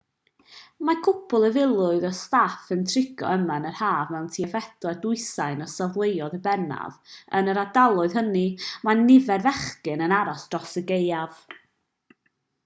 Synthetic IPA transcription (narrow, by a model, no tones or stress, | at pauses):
makʰʊpʰʊlˠəvɪlˠʊɨðɔstafəntʰrɪɡ̥ɔ̰əmanərhaːvmɛwntʰiɛvɛdlˠɛdʊɨsajnɔsavlˠejɔðəbɛna̰və̰nəɾadalˠʊɨð̥hənimanɪvɛrvɛχkɨnənaɾɔsd̥rɔsəɡejav̥